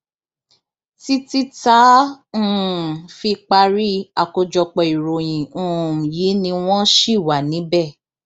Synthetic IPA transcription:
ti˦ti˦tã˨˦˨ | fi˧k͡pa˧ɾi˦a˨ko˧d͡ʒɔ˧k͡pɔ˧˨i˨ɾo˨j̃ĩ˨˦˨ji˨˦nĩ˧w̃ɔ̃˦ʃi˦˨wa˨nĩ˨˦bɛ˦˨

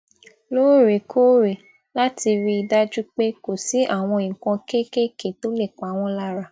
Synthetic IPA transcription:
loː˦ɾe˨kʰo˦ɾe˨ | la˦tʰi˧ɾi˦i˧da˦d͡ʒu˦k͡pe˦ko˨si˨˦ʔa˦˨w̃ɔ̃˧ĩ˨kɔ̃˧ke˦ke˦ke˨to˦le˦˨k͡pa˨˦w̃ɔ̃˧la˦ɾa˦˨

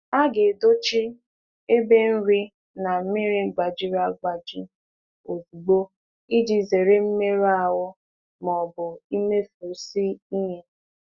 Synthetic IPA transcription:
a˦ɡe˨do˦t͡ʃɪ˦ | e˦be˦n̩˦ɾi˦ | na˨m̩˦mi˦ɾɪ˨ɡ͡ba˨d͡ʒi˦ɾa˦ɡ͡ba˨d͡ʒi˦ | o˨vu˨ɡ͡bo˦ | i˦di˨ze˨ɾe˦m̩˦me˦ɾa˦˨wʊ˦ | mɔ˨bʊ˨i˦me˦fo˨si˦i˦ɲe˦

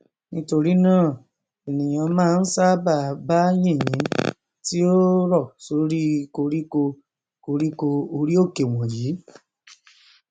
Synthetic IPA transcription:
nĩ˦to˧ɾi˦nãː˦˨ | e˨nĩ˨j̃ã˧mãː˦˧n̩˦sa˦ba˦˨ba˦jĩ˦˨jĩ˨˦ | ti˦o˦ɾɔ˦˨so˨˦ɾi˦ko˧ɾi˦ko˧ | ko˧ɾi˦ko˧o˧ɾi˦o˦˨ke˨w̃ɔ̃˨ji˨˦

